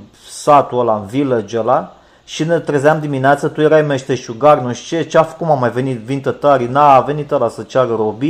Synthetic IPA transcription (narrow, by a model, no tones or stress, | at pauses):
sat̪uəlaɨnviled͡ʒəla | ʃinet̪ɾəzamd̪imineat̪sət̪ujeɾajmeʃt̪eʃuɡarnuʃt͡ʃet͡ʃafkumamajve̞nit̪vint̪ət̪aɾinaːve̞nit̪əlasət͡ʃaɾəɾobi